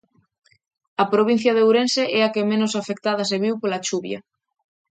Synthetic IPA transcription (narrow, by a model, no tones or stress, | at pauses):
ɐpɾoβ̞in̟θjɐðowɾenseʔɛakemẽnosafek̚t̪aðɐs̬eβiwpolat͡ʃuβjɐ̰